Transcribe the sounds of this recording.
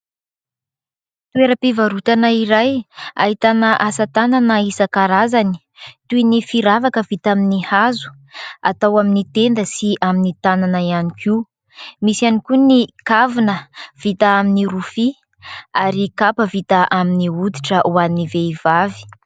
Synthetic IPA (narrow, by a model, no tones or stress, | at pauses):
t̪ueɾəpivaɾut̪anəiɾaja̰ɦit̪anəʔasat̪ananəisəkaɾazani̥ | t̪uinifiɾavakəv̥it̪aminihazu̥ | a̰t̪awaminit̪end̪əsiʔaminit̪ananəianiki | misianikunikavinəv̥it̪aaminiɾufi | aɾikapəvit̪əʔaminiud̪iʈ͡ʂəʔuanːiveiv̥avi̥